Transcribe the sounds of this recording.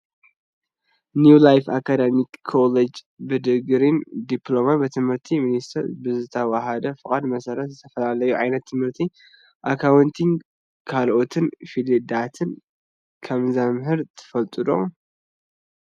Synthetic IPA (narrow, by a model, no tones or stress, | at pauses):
njulajfakʰad̪emikʰːoled͡ʒ | bɨd̪ɨɡɨɾind̪iplo̞mabɨt̪ʰɨmhɨɾt̪ʰiminist̪ʰɐɾbɨzɨt̪ʰɐwaɦad̪ɐfɨkʼad̪mɐsɐɾɐt̪zɨt̪ʰɐfɐlalɐjuʕajnɐt̪ʰːɨmhɨɾt̪ʰi | ʔakʰawɨnt̪ʰin | kʰalʔo̞t̪ʰɨnfilid̪at̪ʰɨn | kʰɐmzamɦɨɾt̪ʰɨ̥fɐlt̪ʼɨd̪o̰